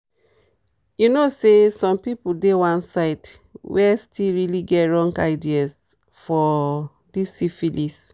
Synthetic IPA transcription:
junosesɔ̃mpipuldewãnsaɪtwɛstʰilɹiliɡɛtɹɔ̃ŋɡaɪdias | fɔ | disːifilis

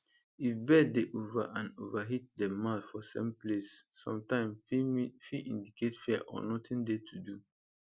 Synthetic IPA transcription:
ifbɛdeʔova̰ʔãnovaɦit̚dɛmaθfɔsḛ̃mplesːɔ̰̃mtãɪ̃mfiʔḭ̃ndiketfɛaʔɔ̰nɔtʰĩndetʰudu

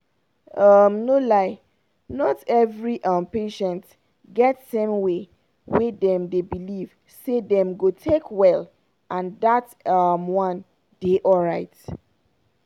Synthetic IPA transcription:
ʌmnolaɪ | nɔtɛvɹiʔʌ̃mpeʃɛ̃nt | ɡɛtsɛ̃mwe | wedɛ̃mdebiliv̥ | sedɛ̃mɡotʰekʰwɛl | ʔãnðat | ʌmwʌ̃n | d̥eʔɔɹaɪt

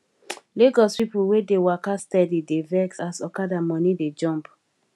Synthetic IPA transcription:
leɡɔspipuwedewakastɛdidevɛksasɔkadamɔnided͡ʒɔ̃mp

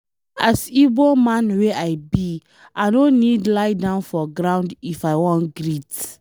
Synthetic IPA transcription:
asibomãnweʔajbi | ʔaɪnõnidlaɪdãʊ̃nfɔɡɾãʊ̃ndifaɪwɔ̃ntɡɹit

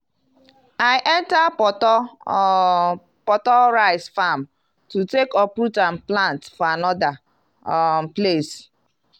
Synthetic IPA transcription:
aɪʔɛntapɔtɔ | pɔtɔɾaɪsfam | tutekɔpɾutãnplãntfɔanɔda | ples

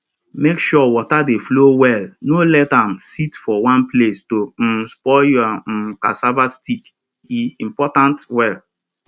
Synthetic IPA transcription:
mekʃɔwɔtadeflowɛlnolɛtãmsitfɔwãnplestospɔjuaka̰savastik | iĩmpɔtãntwɛl

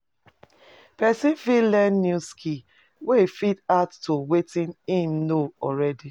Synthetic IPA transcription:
pɛsifilɛnːuskʰi | wefidaʊtːowetĩnĩnnoɔɾɛdi

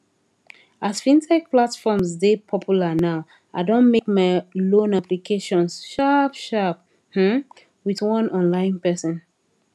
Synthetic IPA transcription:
asfĩntʰɛk̚platfɔmsdepʰɔpʰjulənaʊ | aɪdõnmekmaɪlõnaplikʰeʃɔ̃nsʃapʃap̚ | hm̩ | wiðwʌ̃nɔ̃nlãɪ̃npɛsɔ̃n

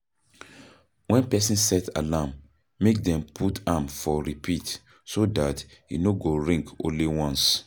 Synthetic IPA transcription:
wɛ̃npɛsĩnsɛtʰa̰lamː | ek̚dɛ̃mpʰutamfɔɹipʰit | sodatjḭnoɡoɹĩŋkõ̰nliwɔ̃ns

